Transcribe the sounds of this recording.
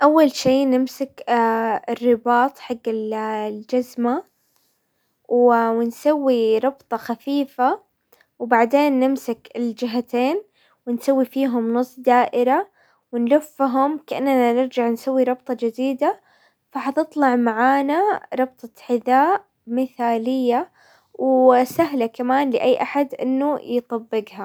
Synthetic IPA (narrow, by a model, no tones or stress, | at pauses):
ʔawːalʃiːnɪmsak | ɪrːɪbɑːt̪ˤħaɡːɪlld͡ʒazma | wwɪnsawːiɾˤɑbt̪ˤɑxafiːfa | wbaʕd̪eːnːɪmsakɪld͡ʒɪɦat̪eːn | wɪnsawːifiːɦʊmnʊsˤːd̪aːʔɪɾa | wɪnlʊfːɦʊmkaʔanːnanɪɾd͡ʒaʕnsawːiɾˤɑbt̪ˤɑd͡ʒɪd̪iːd̪a | faħɑt̪ɨt̪ˤlɑʕmaʕaːnaɾˤɑbt̪ˤɑħɪðaːʔʔ | mɪθaːlɪjːa | wsaɦlakamaːnlɪʔajːʔaħad̪ʔɪ̰nːujt̪ˤɑbːɪɡɦa